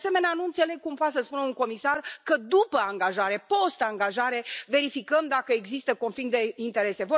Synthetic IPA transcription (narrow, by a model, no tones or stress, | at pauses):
se̞me̞neanuɨnt̪se̞le̞ɡ̚kumpoasəspunəuŋko̞misarkəd̪upəaŋɡaʒaɾe̞po̞st̪aŋɡaʒaɾe̞ve̞ɾifikəmd̪akəeɡzist̪əko̞nfiŋd̪e̞int̪e̞ɾe̞se̞vo